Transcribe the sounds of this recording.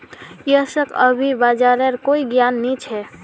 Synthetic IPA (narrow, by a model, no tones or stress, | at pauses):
jəsəkə̰bʱibad͡ʒaɾeɾkoiɡjanːit͡ʃʰɛ